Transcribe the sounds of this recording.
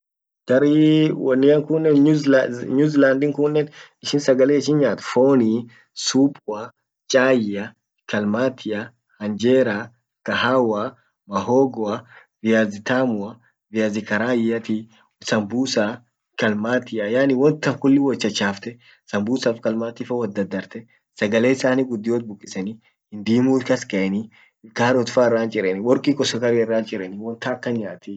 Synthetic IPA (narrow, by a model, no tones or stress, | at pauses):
ɡ̥ɐɾiwɔnːɪɐŋkʊnːɛnɲuzɲuzland̪ɪŋkʊnːɛnɪʃɪnsɐɡɐleːɪʃɪnɲaːt̪foːni | suːpʼɐ | t͡ʃʼaːjɐ | kɐlmaːt̪ʰɪa | hɐnd͡ʒeːɾa | kɐhawa | mɐɦoːɡɔɐ | vɪjaːzɪt̪aːmʊɐ | vɪjaːzɪkɐɾaːjɐt̪i | sɐmbuːsa | kɐlmaːt̪ɪjɐjaːnɪwɔnt̪ːɐŋkʊlːɪwɔt͡ʃːɐt͡ʃːaːft̪ɛ | sɐmbuːsaːfkɐlmaːt̪iːfɐwɐd̪ːɐd̪ːɐɾt̪ɛ | sɐɡɐleːɪsaːniɡʊd̪ːɪjoːt̪̚bʊkʼːɪsɐnɪ | hɪnd̪iːmuːkɐskɐʔɛnɪ | kaːɾɔt̪ʊfaːɪrːaːnt͡ʃʼɪɾɛnɪwɔɾkʼiːkʼɔsɐkɐɾiɪrːaːnt͡ʃʼɪɾɛnɪwɔnt̪aːkːɐnɲaːt̪i